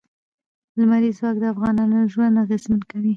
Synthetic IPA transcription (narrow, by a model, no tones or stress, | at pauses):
lmaɾizwɑk̚d̪əafɣɑnɑnoʒwand̪aɣezmankawi